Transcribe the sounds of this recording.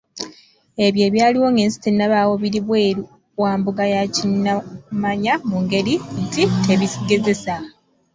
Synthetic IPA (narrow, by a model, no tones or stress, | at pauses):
e̞βje̞ːβjaːliwo̞ːŋɡeːnsi̥tinːaβaːwo̞βiɾiβweː | waːmbuɡajacinːamaɲamuŋɡe̞ɾintitʰe̞βisiɡe̞ze̞sa